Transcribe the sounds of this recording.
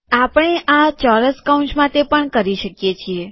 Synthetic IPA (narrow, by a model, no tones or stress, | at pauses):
apəɳ̃eʔat͡ʃɔɾəskaũnt͡ʃmãt̪epəɳkəɾiʃəkjet͡ʃʰie